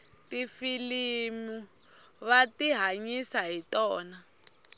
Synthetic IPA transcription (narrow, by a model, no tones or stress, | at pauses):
tifilimu | βatiɦaɲisaɦitɔːna